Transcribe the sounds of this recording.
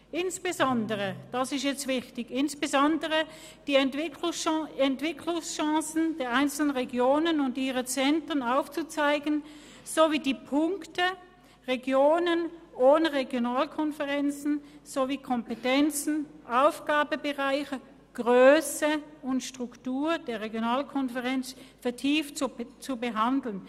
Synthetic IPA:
ʔɪnsb̥ezɔndəʁəd̥ɑsɪstjɛt͡stv̥ɪçtɪɡɪnsb̥ezɔndəʁə | d̥iːɛtv̥ɪkʰlʊŋsʃɛntv̥ɪkʰlʊŋsʃɑ̃sn̩d̥eːɐʔaɪnt͡sl̩ənʁeɡjoːnənʊndiːʁət͡sɛntʁənaʊft͡sut͡saɪɡən | z̥oviːdiːpʰʊŋktə | ʁeɡjoːnənʔoːnəʁeɡjonaːlkʰɔnfəʁɛnt͡sn̩z̥oviːkʰɔmpetɛnt͡sn̩ʔaʊfɡ̥aːbəbəʁaɪçə | ɡ̥ʁøːsəʊntʃtʁ̥ʊktuːɐd̥eːɐʁeɡjonaːlkʰɔnfəʁɛnt͡sfɛɐtʰiːft͡subəɦandl̩n

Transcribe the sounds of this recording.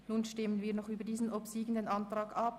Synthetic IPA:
nuːnʃtɪmənviːɐnɔχʔyːbɐdiːzn̩ʔopsiːɡən̩dənʔɑntʁ̥ɑːɡap

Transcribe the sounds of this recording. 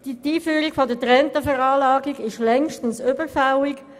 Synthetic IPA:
d̥itiːfyːɾiɡfodətʁɛntəfɛʁɑːlɑːɡiɡɪʃlɛŋʃtn̩søbəfaʊɪk

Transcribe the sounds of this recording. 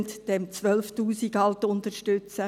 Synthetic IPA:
ntd̥ɛmt͡sʋœlftuːsiɡɑltʊnt̪əɾʃtʏt͡sə

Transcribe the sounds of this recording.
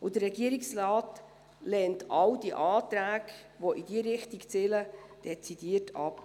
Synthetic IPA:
ʊdərːɛɡiəɾiksrɑːt | lɛːntɑwdiʔɑːt̪ɾæːɡ | ʋoʔidiəɾɪχtikt͡seːləd̥ɛt͡sid̥iətʰɑ̰p

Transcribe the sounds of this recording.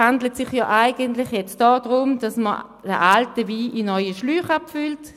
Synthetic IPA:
handlətsɪχjɔːʔaɪɡəntlɪχjɛt͡sd̥ɔːdʁʊmd̥asmə | d̥əʔaltəviːʔinɔʏəʃlyːχapfylt

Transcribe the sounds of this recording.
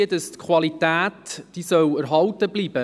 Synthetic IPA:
ədəstkʰwɑlitæːtd̥isœwæɾɦɑltəbliːb̥ə

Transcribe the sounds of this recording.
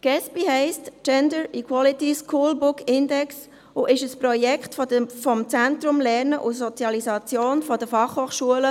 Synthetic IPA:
ɡ̥ɛspiɦɛɪstt͡ʃɛndəɹikʰwɔlitiskʰuːlbʊkɪndɛks | ʊʔɪʃəspɾɔjɛkχtfɔəfɔmt͡sæntɾʊmlɛɾnəʔʊsɔt͡sjɑlisɑt͡sjoːnfɔdəfɑχhoːχʃuələ

